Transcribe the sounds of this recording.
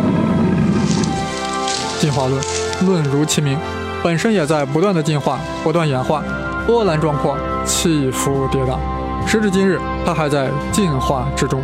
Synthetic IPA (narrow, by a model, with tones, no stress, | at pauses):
t͡ɕi˥˧nxwa˥˧lwə˥˩n | lwə˥˩nɻu˧˥t͡ɕʰi˧˥mi˧˥ŋ | pə˨˩nʂə˥njɛ˨˩t͡sa˥˩ɪp̬u˧˥t̪wa˥˩nd̪ə˩t͡ɕi˥˧nxwa̰˥˩ | pu˧˥t̪wa˥˩njɛ˧˥nxwa˥˩ | t̪wɔ˥la˧˥nʈ͡ʂwɑ˥˧ŋkʰwɑ˥˩ŋ | t͡ɕʰi˥˩fu˧˥t̪jɛ˧˥t̪ɑ̰˨˩˦ | ʂɻ̩˧˥ʈ͡ʂɻ̩˥˩t͡ɕi˥nɻ̩˥˩ | t̪ʰa˥xa˧˥ɪt͡sa˥˧ɪ | t͡ɕi˥˧nxwa˥˩ʈ͡ʂɻ̩˥ʈ͡ʂʊ˥ŋ